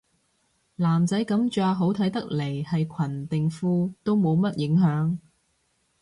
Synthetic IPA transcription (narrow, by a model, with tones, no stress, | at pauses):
laː˨˩mt͡sɐ˨˥jkɐ˨˥mt͡ʃœː˧ɦo˨˥wt̪ʰɐ˨˥jt̪ɐ˥k̚le˨˩jhɐ˨jkʷʰɐ˨˩nt̪ɪ˨ŋfuː˧t̪o˥wmo˨˧wmɐ˥t̚jɪ˨˥ŋɦœː˨˥ŋ